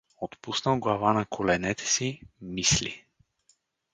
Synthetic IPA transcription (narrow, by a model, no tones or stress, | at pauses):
ot̪pusnəlɡlˠavanakʰolɛnɛt̪ʰɛ̥simislḭ